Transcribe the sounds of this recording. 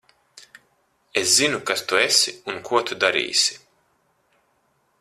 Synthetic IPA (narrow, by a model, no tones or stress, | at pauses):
eszinukast̪uesiunkʰuɔt̪ud̪aɾḭːsi̥